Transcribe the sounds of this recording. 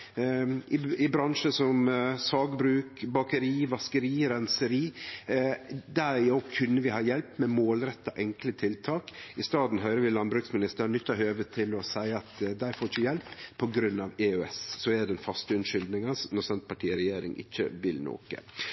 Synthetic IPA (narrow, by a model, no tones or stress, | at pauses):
ɪɪbɾɑŋʂəsɔmsɑːɡbɾʉːkbɑkəɾiːʋɑskəɾiːɾɛnsəɾiː | d̪æɾokʰʉnːəʋɪhɑːjɛlpmɛmoːlɾɛt̪ːɑʔɛŋklət̪ʰɪlt̪ʰɑːkɪst̪ɑːd̪n̩ɦœʏɾəʋɪlɑnbɾʉːksmɪnɪst̪ənʏt̪ːɑɦøːʋət̪ʰɪlɔsæɪɑt̪d̪æɪfoɾɪçəjɛlpʰːɔɡɾʉnːɑʋeøɛssɔɛd̪ɛnfɑst̪əʉnʂʏld̪nɪŋɑsnɔɾsɛnt̪̚pʰɑʈʰiːɾɛjeːɾɪ̰ŋɪ̰çːə̰ʋɪlno̰ːkə̰